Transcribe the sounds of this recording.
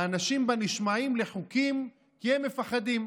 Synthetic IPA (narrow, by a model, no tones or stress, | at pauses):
anaʃimbaniʃmaimleχukim | kɛmːe̞faχad̪im